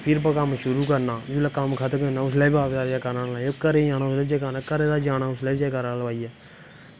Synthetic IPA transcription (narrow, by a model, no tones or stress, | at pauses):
pʰɪɾpəkəmʃʊɾuːkəɾnaːd͡ʒulakəmkʰət̪ʰkːnaːʊslɛːbaːʋed̪aːd͡ʒaːkəɾnãːlaːokəɾeːjaːnaːʊslɛːd͡ʒaːkaːnaːkəɾẽːd̪aːd͡ʒaːnaːʊslɛːbd͡ʒaːkəɾaləʋaːiːɛː